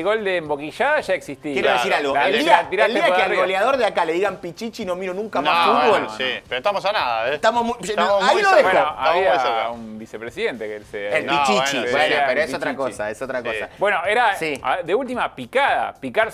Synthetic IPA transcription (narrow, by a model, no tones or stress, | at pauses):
ɣo̞ld̪eːmbokiʃaðaʒaeksist̪ijeɾeðessiɾalɣoaeld̪iat̪iɾald̪eiakealɣoljaðoɾðeakaleðiɣampit͡ʃit͡ʃinomiɾonũŋkanmasfut̪βolsipeɾoet̪amosanaðaet̪amomuoailoðebwenoaβiaumbisepɾesiðe̞nt̪ekeelseelit͡ʃit͡ʃiaopeɾoesot̪ɾakosa̰esot̪ɾakosa̰bwe̞noeɾasia̰ðeult̪imapikaða̰pikaɾ